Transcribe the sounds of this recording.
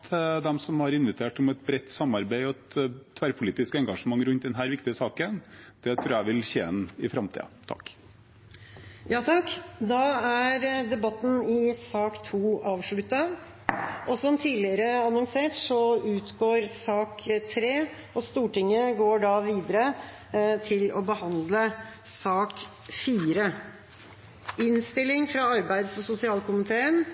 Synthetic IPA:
t̪ʰd̪ɛmsɔmhɑɾɪnʋɪt̪ʰeːʈɔmɛt̪̚bɾɛt̪ːsɑmːɑɾbæɪɔɛt̪t̪ʰːʋæɾpʰʊliːt̪ɪskəɛŋɡɑʂəmɑŋːɾʉnt̪̚d̪ɛnɦæːɾʋɪkt̪ɪəsɑːkənd̪̥ɛt̪ʰɾʉːɾæʋɪlçeːɛnɪfɾɑmt̪ʰḭːə̰t̪ʰɑ̰kː | jɑːt̪ʰɑkːd̪ɑæɾd̪ɛbɑt̪ːn̩ɪsɑːkt̪ʰuːɑːʋʂɭʉt̪ːə | ʔɔsɔmt̪ʰiːlɪəɾəɑnɔŋseːʈsɔʉːt̪ɡoːɾsɑːkt̪ʰɾeː | ɔst̪uːʈɪŋːəɡoːɖɑʋiːd̪əɾə | t̪ʰɪlɔbəhɑnd̪ləsɑːk | fiːɾə | ɪnst̪ɪlɪŋfɾɑɑɾbæɪd̪sɔsʊsɪɑːlkʊmɪt̪ʰeːən

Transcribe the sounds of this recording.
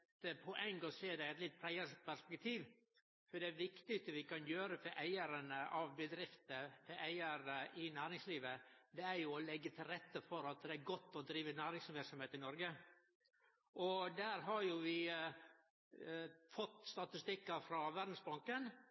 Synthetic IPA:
əpʰʊʔɛŋɡɔseːd̪æɪɛt̪lɪt̪̚ːpʰɾæɪəpʰæʂpɛkt̪ʰiːʋ | fɔɖɛæʋɪkt̪ɪst̪əʋɪkɑnjøːɾəfɔʔæɪəɾənəʔɑʋbəd̪ɾɪft̪əfʰɛʔæɪəɾʔɪnæːɾɪŋsliːʋəd̪ɛæɾjʊɔlɛɡːət̪ʰɪlɾɛt̪ːəfɔɾɑt̪d̪ɛæɾɡɔt̪ːɔd̪ɾiːʋənæːɾɪŋsəʋæːɾksɔmheːt̪ɪnɔɾɡə | ʔɔd̪æːɾɦɑɾjʊʋɪ | fɔt̪ːst̪ɑt̪ɪst̪ɪkːəfɾɑʋæɾd̪n̩sbɑŋkən

